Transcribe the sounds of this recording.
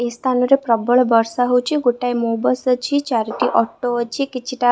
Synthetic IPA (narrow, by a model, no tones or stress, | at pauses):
est̪ʰanoɾepɾəbəɭbəɾsaɦowt͡ʃʰiɡoʈajmobəst͡ʃʰit͡ʃaɾiʈiʔɔʈːoʋət͡ʃʰikit͡ʃʰiʈa